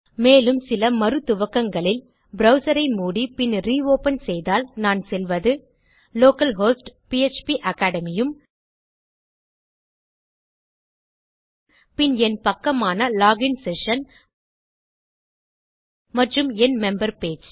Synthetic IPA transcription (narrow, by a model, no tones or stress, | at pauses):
meːlɯmsɪlɐmɐɾɯt̪ːʊʋɐkːɐŋɡɐɭɪl | bɾɐʊsɐɾɐɪmuːɽipɪnɾiːoːpɐnsɛjðaːlnaːnsɛlʋɐðɯ | loːkɐlɦoːsʈpiɛt͡ʃpiʔɐkaːɽɐmɪjɯm | pɪnɛnpɐkːɐmaːnɐlaːɡɪnsɛʂɐn | mɐʈrɯmɛnmɛmbɐɾpeːd͡ʒ